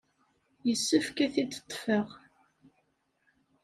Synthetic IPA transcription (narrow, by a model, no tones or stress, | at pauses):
jəsːəfkæθid̪ə̥t̪ˤːfəʁ